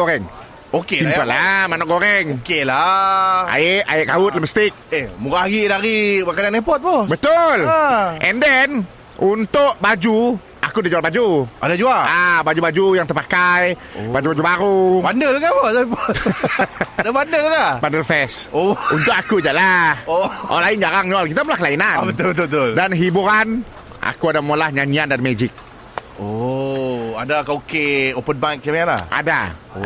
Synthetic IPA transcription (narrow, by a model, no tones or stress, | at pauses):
koɾɛŋ | okeimalamanɔʔkoɾɛŋokelaʔa̰ɪʔajɪʔkaʊt̪̚laməst̪ɪk̚emuɾaaɡiʔdaɾimakadanɛpɔt̪̚pɔbət̪olɛndɛn | unt̪ʊʔbad͡ʒu | akudid͡ʒualbad͡ʒuʔa̰dad͡ʒualabad͡ʒubad͡ʒujaŋt̪ərpakaj | bad͡ʒubad͡ʒubaɾubandəlkapɔdapo | dabandəlakabandəlfɛsount̪ʊkakud͡ʒaʔlahoʔɔ̰laɪnd͡ʒaɾaŋnalkit̪amulahkəlainanbət̪ʊlbət̪̬ʊət̪ʊldanɦibuɾan | ʔa̰kuadamolahɲaɲiandaɾimed͡ʒɪk̚ | o | adakaokeopənbak̚t͡ʃamaanla̰hʔa̰da̰